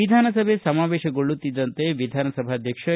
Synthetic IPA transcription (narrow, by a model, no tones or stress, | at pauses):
id̪ʱaːnɐsɐbʱesɐmaːʋeːʃɐɡoɭːut̪ːid̪ːɐnt̪eʋid̪ʱaːnɐsɐbʱad̪ʱjɐkʂɐ